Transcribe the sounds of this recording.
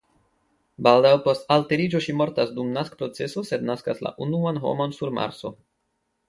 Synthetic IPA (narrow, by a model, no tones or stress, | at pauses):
baldawpo̞stalte̞ɾid͡ʒo̞ʃimo̞ɾtasdumnaskpɾo̞t͡se̞sose̞d̪naskasla̰ʔunuanɦo̞̰mo̞nsuɾma̰ɾso̞